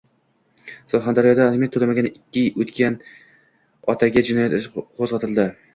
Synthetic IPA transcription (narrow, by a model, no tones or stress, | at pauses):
solˠχand̪aɾijɒd̪aːlmijat̪ʰːolamaɡʲanɪkʲːɪot̪kʲan | ɒt̪ʰaɡʲad͡ʒɪnɒjat̪ɪʃqʰozʁɑt̪ʰɪld̪ɪ